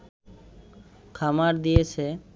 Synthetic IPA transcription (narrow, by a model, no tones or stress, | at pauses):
kʰamaɾd̪ijet͡ɕʰe